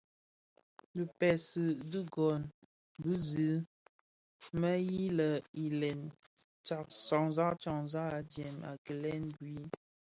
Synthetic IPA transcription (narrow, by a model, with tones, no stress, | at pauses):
lə˨pɛ˨sɨ˨du˦ɡɔ˨n | bʉ˦zi˨˦ | mə˦ji˦lə˨i˨lɛ˨n | t͡ʃa˨ksɔ˨ŋza˦ʔt͡ʃɔ˨ŋza˦˨d͡ʒjɛ˨ma̰˨kə˨lɛ˦nɡwi˦